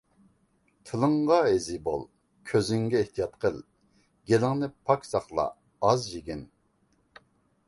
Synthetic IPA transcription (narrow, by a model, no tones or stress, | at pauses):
t̪ʰɨlˠəŋʁɑezibo̰lˠ | kʲʰøzɪŋɡʲɛeht̪ʰijɑt̪qʰəlˠ | ɡ̥ʲelɪŋnɪpʰɑkʲsɑχlˠɑ̰ː | zjeɡʲin